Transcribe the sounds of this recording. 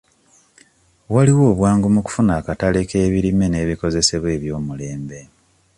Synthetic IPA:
waliwo̞ːβwaːŋɡumuku̥funaːkatale̞ke̞ːβiɾime̞ne̞ːβiko̞ze̞se̞βwe̞ːβjo̞ːmule̞ːmbe̞

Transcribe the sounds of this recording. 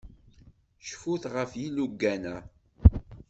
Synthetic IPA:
ʃfuθʁəfjiluɡːænæ

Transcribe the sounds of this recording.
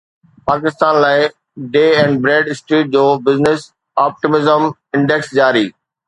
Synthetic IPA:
paːkɪst̪aːnlaːɪ | ɖeːɛ̃ːɳɖ̚bɾeːɖɪsʈɾeːʈ̚d͡ʑoːbɪznɪs | aːp̚ʈɪmɪzəm | ɪ̃ɳɖɛksd͡ʑaːɾiː

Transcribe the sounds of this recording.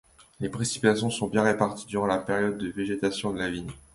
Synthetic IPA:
lepχesi̥pit̪asjɔ̃sɔ̃bjɛ̃ʁepaʁt̪id̪yʁɑ̃lapeʁjɔd̪ːəveʒet̪asjɔ̃d̪əlaviɲ

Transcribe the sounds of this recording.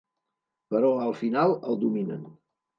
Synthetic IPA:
pəɾɔəlˠfinalˠəlˠd̪uminən

